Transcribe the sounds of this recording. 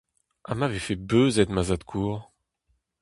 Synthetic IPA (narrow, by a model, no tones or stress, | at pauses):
ʔamavefebøːzɛt̪mazat̪kʰuːʁ